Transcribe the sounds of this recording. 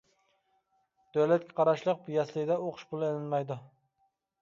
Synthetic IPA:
d̪̥øwlɛt̪̚kʲʰɛqʰɑɾɑʃlˠəq̚pujɛslɪɡʲɪd̪ɛoqʰʊ̥ʃpʰulˠelɪnmɛjd̪ʊ

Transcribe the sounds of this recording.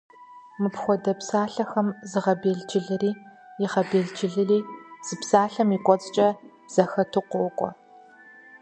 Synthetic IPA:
mɨpxʷɔdɐpsaːɬɐxɐmzɨʁɐbeːɮd͡ʒɪɮɨriːjɪʁɐbeːɮd͡ʒɪɮɨriːz̥ɨpsaːɬɐmikʷʼɔt͡sʼt͡ʃʼɐb̥z̥ɐxɐtʰɨqʷɔkʷʼɔ̰

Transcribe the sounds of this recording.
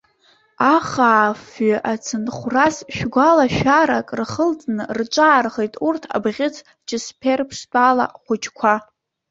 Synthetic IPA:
aχaːfɥʔat͡sʰɨnχʷrasʃᶣɡʷalaʃᶣaɾakʼrχəlt͡sʼnɨrʈ͡ʂʷʼaːrχejtʼurtʰa̰bʁʲɪt͡sʰ | t͡ʃʰɪspʲʰerpʰʂtʼala̰χʷʊt͡ʃʰkʷʰa

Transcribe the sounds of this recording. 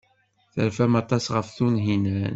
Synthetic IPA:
θəɾfæmɑt̪ˤɑsʁəfθunɦinæn

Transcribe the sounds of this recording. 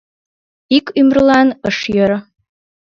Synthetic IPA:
ikymɾəlˠɑnəʃjɤɾ

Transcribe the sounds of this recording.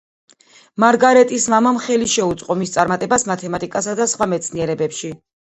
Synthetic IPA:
maɾɡaɾɛt̪ʼismamamχɛliʃɛut̪sʼqʼɔmist̪sʼaɾmat̪ʼɛbasmat̪ʰɛmat̪ʼikʼasad̪asχwamɛt̪sʰniɛɾɛbɛpʃi

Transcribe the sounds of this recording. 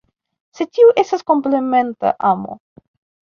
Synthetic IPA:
se̞tiuʔe̞stasko̞mpleme̞nta̰ʔamo̞̰

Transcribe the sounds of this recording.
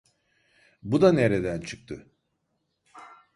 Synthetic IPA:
bud̪aneɾed̪ænt͡ʃʰɯk̚t̪ʰɯ

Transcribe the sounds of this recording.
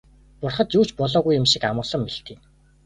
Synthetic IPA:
pʊrχə̆t̪juːt͡ɕpɔɮɔːɣujɪ̆mʃikamʊ̆ːɮə̆mːiɬt̪eː

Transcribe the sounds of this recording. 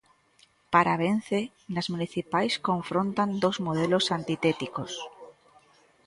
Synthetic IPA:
paɾaβ̞en̟θe | nazmuniθipajskõɱfɾõnt̪and̪ozmoð̞elosant̪it̪et̪ikos

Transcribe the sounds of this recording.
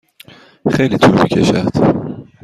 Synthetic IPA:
xejlit̪ʰulmicʰeʃæ̰ɾd̪̥

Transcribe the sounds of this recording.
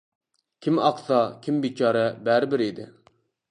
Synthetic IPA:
kʲʰimɑqsɑkʲʰimbit͡ʃʰɑːɾɛbæɾɪbɪɾid̪ɪ̰

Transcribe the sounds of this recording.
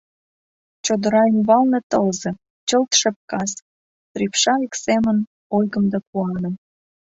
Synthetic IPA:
t͡ɕod̪ə̆ɾɑimβɑlnĕt̪əlze | t͡ɕəlt̪ʃĕp̚kɑs | t̪ripʃɑiksemən | ojɣə̆md̪ɑkuɑnə̆m

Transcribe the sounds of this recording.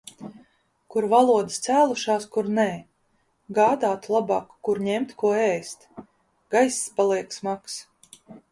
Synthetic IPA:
kuɾvalˠuɔd̪ɨst̪sæːlˠuʃaːskuɾnɛː | ɡaːd̪aːt̪lˠabɑːkːuɾɲɛmt̪kuɔɛst̪ | ɡ̥ajsːpalˠiɛksmaks

